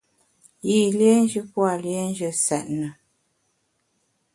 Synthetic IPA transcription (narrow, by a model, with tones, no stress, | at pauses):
ji˦˨lje˦n˦d͡ʒə˦pwa˨lje˦n˦d͡ʒə˨sɛ˨ʔ̚nə˨